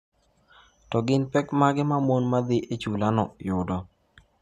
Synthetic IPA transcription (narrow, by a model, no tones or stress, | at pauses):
tɔɡɪnpɛkmaɡɪmamonmad̪ɪʔet͡ʃulanɔjʊdɔ